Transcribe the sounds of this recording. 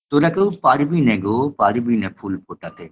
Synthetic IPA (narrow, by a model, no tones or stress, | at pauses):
t̪oɾɐkupaːɾibiːnɛ̃ːɡoːpaːɾibiːnɛ̃ːpʰuːlpʰoːʈaːt̪eː